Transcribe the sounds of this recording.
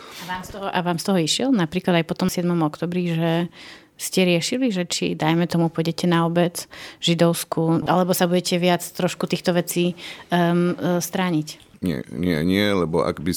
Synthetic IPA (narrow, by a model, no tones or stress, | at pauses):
aʋaːmst̪ɔɦɔʔaʋaːmst̪ɔɦɔiʃɪɛlnapɾiːklad̪ajpɔt̪ɔmsɪɛd̪mɔmɔkt̪ɔːbɾiʒɛ | scɛɾɪɛʃiliʒɛt͡ʃḭd̪ajmɛt̪ɔmupɔjɟɛcɛnaɔbɛt͡sʒid̪ɔʊskuʔalɛbɔsabuɟɛcɛʋɪat͡st̪ɾɔʃkut̪iːxt̪ɔʋɛt͡siː | st̪ɾaːɲicɲɪɛ̰ɲɪɛ̰ɲɪɛlɛbɔa̰ɡbi